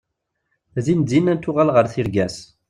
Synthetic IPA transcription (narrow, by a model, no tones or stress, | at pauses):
ðind̪inænt̪ːʊʁalʁəɾθiɾɡæs